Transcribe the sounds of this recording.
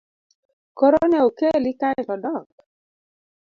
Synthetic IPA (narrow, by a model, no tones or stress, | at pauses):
kɔɾɔnɛokelikaɪɾɔdɔk̚